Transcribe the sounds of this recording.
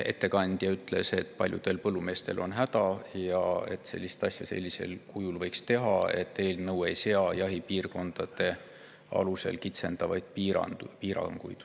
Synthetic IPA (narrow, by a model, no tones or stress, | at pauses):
e̞̰t̪ːe̞kɑnʲd̪̥jɑyt̪ːˑle̞se̞t̪ːˑpɑlʲjud̪̥e̞lpɤlːume̞ːst̪e̞lʔo̞̰nɦæd̪̥ɑjɑe̞̰t̪ːˑse̞̰lʲːist̪ɑsjɑse̞̰lʲːise̞̰lkujulvɤ̞jkst̪e̞ɦɑe̞t̪ːe̞ːlnɤwe̞jse̞ɑjɑɦipiːrko̞nd̪̥ɑd̪̥e̞ | ɑ̰luse̞̰lkit̪se̞nd̪̥ɑvɑjd̪̥̚piɑ̰piːɾɑ̰ŋɡ̥ujd̪̥